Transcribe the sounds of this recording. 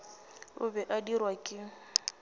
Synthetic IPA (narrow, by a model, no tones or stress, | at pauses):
ʊbɛʔadirwakʼɪ